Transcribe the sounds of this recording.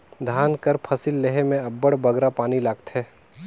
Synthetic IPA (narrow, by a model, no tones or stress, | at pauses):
d̪ʱaːnkəɾpʰɐsɪlːeɦemẽɐbːəɽbɐɡɾapaːnilaːɡt̪ɦɛː